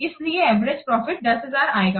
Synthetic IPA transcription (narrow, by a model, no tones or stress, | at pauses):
ɪslieɛːʋɾed͡ʒpɾɔːfɪʈ̚d̪ɐsɦɐzaːɾaːeːɡaː